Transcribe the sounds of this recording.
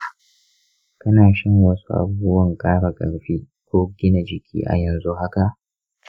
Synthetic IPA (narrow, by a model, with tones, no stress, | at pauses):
kɐ˦naː˨ʃɪ˦ŋwɐ˦su˦ʔa̰˦buː˦ʊ˦bɐ˦˨ŋkʼaː˦ɽa˨kʼɐ̰˨ɽɸiː˦ | kʷoː˦ɡʲɪ˦na˨d͡ʒɪ˨kʲḭː˦ʔa̰˨jɐ˨nzu˦ɦa˦ka˨ʔ